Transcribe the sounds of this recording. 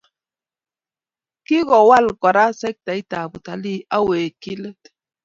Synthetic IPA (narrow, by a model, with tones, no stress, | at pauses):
ki˦ɣo˨wa˦lkʷa˨ɾa˦sa˦k̚t̪a˨i˦t̪a˨bu˨t̪a˨li˦a˦we˨ki˦le˦t̪